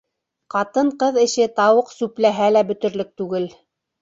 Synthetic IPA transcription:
qɑt̪ɤɴqɤðɘ̆ʃɘt̪ɑwɤqsʉplæɦælæbɵ̆t̪ɵ̆ɾlɘk̚t̪ʉɡɘl

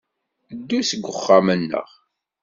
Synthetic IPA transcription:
d̪ːusəɡʷːəχːamənːə̰ʁ

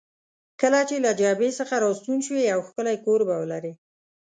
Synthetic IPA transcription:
kəlat͡ʃelad͡ʒabesəxaɾɑst̪unʃweawxkəlajkoɾbawəlaɾe

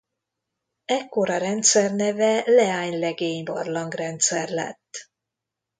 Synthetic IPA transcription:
ɛkːo̞ɾɒɾɛnt̪sɛrnɛvɛlɛaːɲlɛɡeːɲbɒrlɒŋɡrɛnt̪sɛrlɛ̰t̪ː

